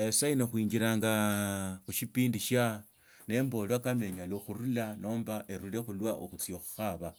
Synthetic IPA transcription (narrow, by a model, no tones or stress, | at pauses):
esainoxwiːɲɡiɾaːŋɡaxuʃipiːndiʃa | ne̞ːmbo̞lwakame̞ɲaloxuɾulano̞ːmbaʔeɾule̞xulwaʔoxut͡sioxu̥xaβa